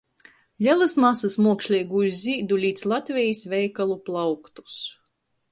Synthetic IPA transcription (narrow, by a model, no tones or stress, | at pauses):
ʎʲɛlˠɨsmasasmuɔkʃlʲijɡujuzʲzʲiːd̪ulʲiːd̪slˠat̪vʲɛjisvʲɛjkalˠuplˠawkt̪u̥s